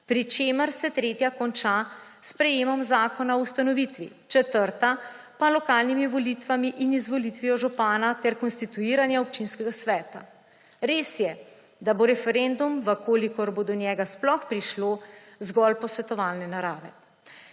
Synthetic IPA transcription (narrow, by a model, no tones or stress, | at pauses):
pɾit͡ʃeːməɾsɛt̪ɾeːt̪jakɔnt͡ʃaspɾɛjeːmɔmzaːkɔnaɔust̪anɔʋit̪ʋḭ | t͡ʃɛt̪əɾt̪a | palɔkaːlnimiʋɔlit̪ʋamiʔinizʋɔlit̪ʋiɔʒupaːnat̪ɛɾkɔnst̪it̪uiːɾanjaop̚t͡ʃinskɛɡasʋɛːt̪a̰ | ɾeːsjɛ | d̪aboɾɛfɛɾend̪umʋəkoːlikɔɾbod̪ɔnjɛːɡasplɔxpɾiʃloː | zɡɔlpɔsʋɛt̪ɔʋaːlnɛnaɾaːʋɛ